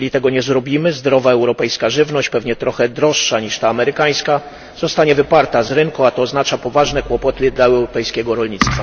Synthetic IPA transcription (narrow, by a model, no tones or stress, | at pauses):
lʲit̪ɛɡɔɲɛzɾɔbʲimɘzd̪ɾɔvaɛwɾɔpɛjskaʐɘvnɔɕt͡ɕpɛvɲɛt̪ɾɔxɛd̪ɾɔʂːaɲiʂt̪aːmɛɾɘkaj̃ska | zɔst̪aɲɛvɘpaɾt̪azɾɘŋkuat̪ɔːznat͡ʂapɔvaʐnɛkwɔpɔt̪ɘd̪laɛwwɾɔpɛjskʲɛɡɔɾɔlɲit̪st̪fa